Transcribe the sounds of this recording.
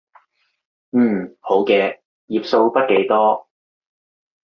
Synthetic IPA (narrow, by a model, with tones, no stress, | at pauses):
n̩ː˥˨˩ho˨˥wkɛː˧ | jiː˨p̚so˧wpɐ˥t̚ke˨˥jt̪ɔː˥